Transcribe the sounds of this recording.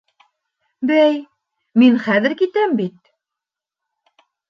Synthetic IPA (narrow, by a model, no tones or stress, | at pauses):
bæj | minχæðɘ̆ɾkit̪æmbit̪̚